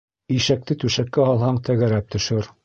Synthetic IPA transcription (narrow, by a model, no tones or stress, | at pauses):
iʃæk̚t̪ɘt̪ʉʃækːæɒlˠhɑɴt̪æɡæɾæp̚t̪ɵ̆ʃɘɾ